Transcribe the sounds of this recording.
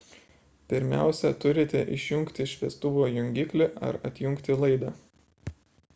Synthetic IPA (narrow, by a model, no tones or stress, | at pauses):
pʲɪɾʲmʲæ̰ˑʊsʲɛt̪ʊɾʲɪt̪ʲɛʔɪʃʲjʊŋkt̪ʲɪʃʲʋʲiɛst̪ʊʋoːjʊŋʲɡʲɪklʲɪʔɐ̰ɾɐt̪ʲjʊŋkt̪ʲɪlˠɐɪd̪ɐː